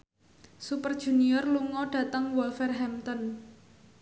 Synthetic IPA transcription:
supərd̥ʒ̥ṳniɔrluŋɔɖ̥ä̤t̪əŋwɔlfɛrɦɛmt̪ɔn

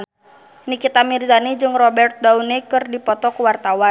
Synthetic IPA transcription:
nikit̪amirzanid͡ʒɨŋrɔbɛrt̪̚daunɛkɨrdipɔt̪ɔkuwart̪awan

